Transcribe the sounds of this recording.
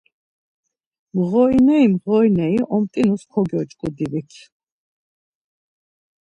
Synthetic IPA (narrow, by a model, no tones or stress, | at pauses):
mʁɔinɛimʁɔinɛiʔɔmt̪ʼinuskʰɔɡjɔt͡ʃʼkʼud̪ivikʰ